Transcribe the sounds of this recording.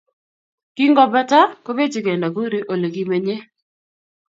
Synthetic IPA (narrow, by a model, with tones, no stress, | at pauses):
ki˦ŋɡɔ˦ba˦ta˦ko˦be˦d͡ʒi˨ɡɛ˨nda˨ɡu˦ɾe˦ʔo˨le˨ɡi˦me˨ɲe˦